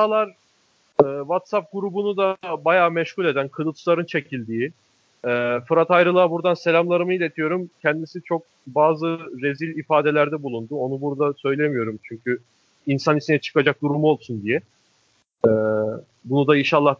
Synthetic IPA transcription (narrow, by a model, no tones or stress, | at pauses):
alˠaɾ | ɛːvat̪sap̚ɡuɾubunud̪abajaːmɛʃhulʲe̞d̪ænkʰɯɾɯlˠt͡ʃʰlˠaɾɯnt͡ʃʰe̞cʰilʲd̪iːi | ɛːfɯɾat̪ajɾɯlˠaːbuɾd̪anse̞lʲamlˠaɾɯmɯilʲe̞t̪ʰijo̞ɾumcʰɛnd̪isit͡ʃʰo̞k̚ | baːzɯɾe̞zilʲifaːd̪e̞lʲæɾd̪ɛbulˠund̪uo̞nubuɾd̪asø̞jlʲe̞mijo̞ɾumt͡ʃʰyɲcʰy | insanisinɛt͡ʃʰɯ̥kad͡ʒak̚d̪uɾumuo̞lˠsund̪ijɛ | ɛː | bunud̪ainʃalˠːah